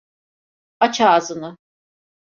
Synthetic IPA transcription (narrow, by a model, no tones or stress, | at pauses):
at͡ʃʰaːzɯnɯ